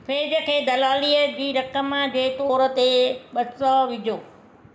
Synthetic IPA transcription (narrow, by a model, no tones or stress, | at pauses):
feːd͡ʑə̆kʰeːd̪ɐlaːliːəd͡ʑiːɾɐkəmãd͡ʑeːt̪oːɾə̆t̪eɓɐsɔʋɪd͡ʑʱoː